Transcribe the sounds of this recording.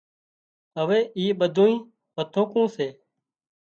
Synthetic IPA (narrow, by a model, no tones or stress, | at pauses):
əʋeːʔiːɓəd̪ʱõːĩː | pət̪ʰoːkũːseː